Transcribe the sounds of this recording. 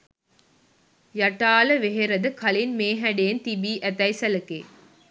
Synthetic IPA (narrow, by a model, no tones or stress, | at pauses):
jɐʈːaːlɐʋeɦɛɾɐðɯkʰɐlɪnmeːɦɐɖeːnt̪ibiːʔɐt̪ɐɪsɐlɐkːḛː